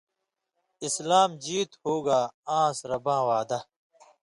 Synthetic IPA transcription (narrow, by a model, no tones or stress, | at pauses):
ɪslaːmd͡ʑiːt̪hoːɡaːãːsɾɐbãːwaːd̪ɐ